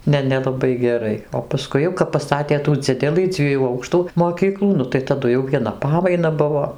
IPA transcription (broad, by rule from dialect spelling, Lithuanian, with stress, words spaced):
ˈnʲɛ nʲɛlˠɐˈbɐɪ ɡʲɛˈrɐɪ oː pɐˈskʊɪ jɛʊ kɐp pɐˈstɑːtʲeː tuː ˈd͡zʲɪdʲɛlˠɨ ˈd͡zʲʋʲiɛjuː ˈɐʊkʃtuː moːˈkʲiːklˠuː ˈnʊ tɐɪ tɐˈdʊ jɛʊ ʋʲiɛˈnɐ ˈpɑːmɐɪnɐ ˈbʊʋoː